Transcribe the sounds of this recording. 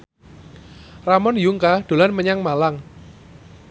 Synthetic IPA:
ramɔnjuŋkad̪̥o̤lanməɲaŋmalaŋ

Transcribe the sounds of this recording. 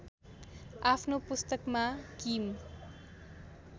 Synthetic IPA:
apʰnopust̪ʌkmakim

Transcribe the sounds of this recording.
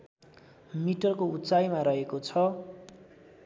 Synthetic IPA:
miʈʌrkout͡sajmaɾʌɦekot͡sʰʌ

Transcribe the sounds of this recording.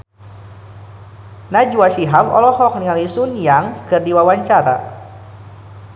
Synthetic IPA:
nad͡ʒuasiɦamɔ̰lɔhɔk̚niŋalisunjaŋkɨrdiwawaɲt͡ʃaɾa̰

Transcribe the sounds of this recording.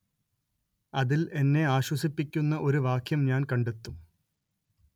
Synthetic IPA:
ɐðile̞nːe̞aːɕwɐsipːikʲːunːɐʔo̞ɾuʋaːkʰjɐmɲaːnkɐɳɖet̪ːum

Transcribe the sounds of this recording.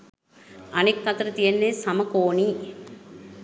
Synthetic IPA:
ɐnekːɐt̪ɐɾɐt̪iɐnːesɐmɐkoːɳi

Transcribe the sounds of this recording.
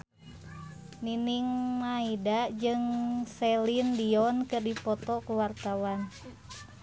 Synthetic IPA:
niniŋmaidad͡ʒɨŋsɛlindiɔnkɨrdipɔt̪ɔkuwart̪awan

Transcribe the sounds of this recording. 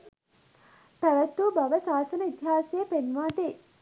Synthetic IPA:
p̪æʋæt̪ːuːbaʋəsaːsənəit̪iɦaːsejəpenʋaːd̪e

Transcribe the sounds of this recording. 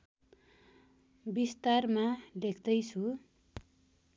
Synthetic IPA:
bist̪armalekʰd̪ʌjt͡sʰu

